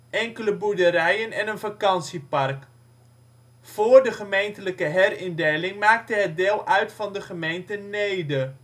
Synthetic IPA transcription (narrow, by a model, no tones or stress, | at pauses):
ʔɛŋkələbuɹdəɾɛjənɛnənvakɑnsipɑrk | fʊːɹdəχəmejntələkəɦɛɾɪndejlɪŋmaːk̚təɦət̚deːlˠʔœɥtfɑndəχəmejntənejdə